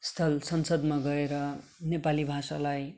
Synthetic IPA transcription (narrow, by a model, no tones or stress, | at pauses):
st̪ʰʌlsʌnsʌd̪maɡʌeɾʌnepalibʱasalaj